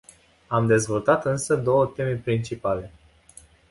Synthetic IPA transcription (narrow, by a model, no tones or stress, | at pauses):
amd̪e̞zvo̞lt̪at̪ɨnsəd̪o̞wət̪e̞me̞pɾint͡ʃipale̞